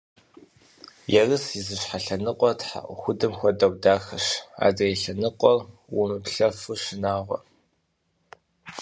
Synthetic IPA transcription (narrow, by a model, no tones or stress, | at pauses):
jɛrɨsizɨɕħaɬɐnɨqʷʼɔtħa̰ʔʷxʷʊdɨmxʷɔdɐwdaːxɐɕa̰ːdejɬɐnɨqʷʼɔrwʊnupɬɐfɨɕɪnaːʁʷɔ̰